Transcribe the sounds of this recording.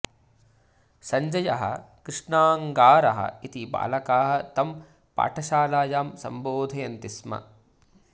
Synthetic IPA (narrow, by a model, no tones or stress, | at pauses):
sɐɲd͡ʒɐjɐɦɐ̰kɾɪʂɳaːŋɡaːɾɐɦɐ̰it̪iba̰ːlɐkaːɦɐ̆t̪ɐm | pa̰ːʈʰɐʃaːlaːjaːmsɐ̰mboːd̪ʱɐjɐnt̪ismɐ̰